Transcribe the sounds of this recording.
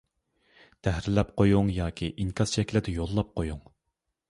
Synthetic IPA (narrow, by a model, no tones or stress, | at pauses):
t̪ʰɛhɾɪlɛp̚qʰojuŋjɑːkʲʰiʔiŋkʰʲɑz̥ʃɛkʲlɪd̪ɛjolˠːɑp̚qojuŋ